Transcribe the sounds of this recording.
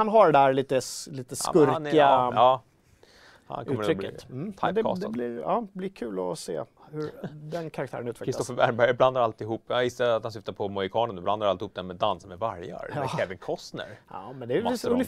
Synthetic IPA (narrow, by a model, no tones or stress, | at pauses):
anɦaɖɛd̪æːɾɭiːt̪əsliːt̪əskɵɾk̪ɪaː | ha̰nkɔʉːtːməɾɾʏkːəm̩ʰd̪ɛ̰d̪ɛblɪɑ̰ːblɪɾkʰʉ̟ːlɔsḛː | hɵɾd̪ɛnkʰaɾakt̪ʰæ̰ɾənʉ̟ːt̪vɛkɾɪst̪ɔsfəbæɾbæɾjbland̪aɾalt̪ɪɦuːpːvɪsːaat̪hansʏft̪aɾpʰɔmɔjɪkʰɑːnənɵbland̪aɾalt̪ɪhuːp̚d̪ɛnmɛd̪ːansamɛvaɾja̰ɾɛːvənkʰɔsnə̰ɾjɑ̰ːmɛnd̪ɛjɵnɪ